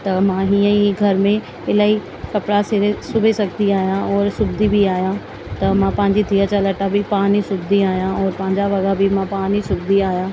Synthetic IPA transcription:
t̪ɐmãːɦiːə̃iɡʱɐɾmẽ | ɪlaːi | kɐpɽasɪɾesʊbʱesɐɡʱt̪iaːɦijãɔːɾsʊbd̪ʱibʱiaːɦijã | t̪ɐmãpɐ̃ɦɪ̃ɲd͡ʑit̪ʰiət͡ɕɐlɐʈabʱipaːnisʊbd̪ʱiaːɦijãɔːɾpɐ̃ɦɪ̃ɲd͡ʑaʋɐɡabʱimãpaːnisʊbd̪ʱiaːɦijãː

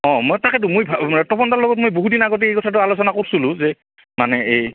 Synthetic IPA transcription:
ɔ̃mɔjtakɛt̬ʊmojbʱaɛk̚tɔpʰɔntaɹlɔɡɔt̚mojboɦudinaɡɔt̬iejkɔtʰatʊalosɔnakoɹsʊlʊ̃zɛ | manɛej

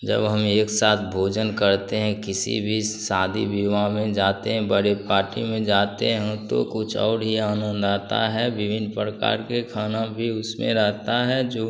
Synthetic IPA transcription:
d͡ʒə̰bɦɐmeːksaːt̪ʰbʱoːd͡ʒənkɐɾt̪eɦɛ̃kɪsḭbʱisaːd̪ʱḭbiʋamẽd͡ʒaːt̪eɦɛ̃bəɾepaːɾʈimẽd͡ʒaːt̪eɦɛ̃t̪o̰kʊt͡ʃʰɔ̰ːɾɦiaːnə̃nd̪aːt̪a̰ɦɛʋɪʋʱɪnpɾəka̰ːɾkekʰaːnabʱiʊsmḛ̃ɾɛɦt̪aɦɛd͡ʒoː

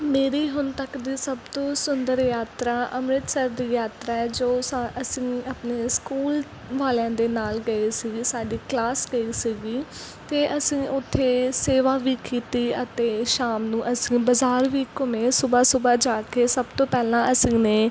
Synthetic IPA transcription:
meːɾiːɦʊnt̪əkd̪iːsəbt̪õːsʊnd̪əɾjaːt̪ɾaːʔəmɾɪt̪səɾd̪iːjaːt̪ɾaːɛːd͡ʒoːsaəsĩːapneːskuːl | ʋaːlãːd̪eːnaːlɡəiːsiɡiːsaːɖiːklaːsɡəiːsiɡiː | t̪eːʔəsĩːʔʊt̪ʰːeːseːʋaːʋiːkiːt̪iːət̪eːʃaːmnũːʔəsĩːbəzaːɾʋiːkʊmẽːsʊbaːsʊbaːd͡ʒaːkeːsəbt̪õːpɛːlãːʔəsĩːneː

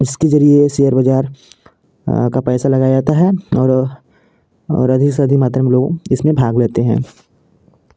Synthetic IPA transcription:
d͡ʒɪskezɐɾiesijəɾbɐd͡ʒaːɾ | kapɛːsalɐɡad͡ʒaːt̪aɦɛɔːɾ | ɔ̰ːɾɐd̪ʱɪksɐd̪ʱikmaːt̪ɾəmẽloːɡɪsmẽbʱaːɡleːt̪eɦɛ̃ː

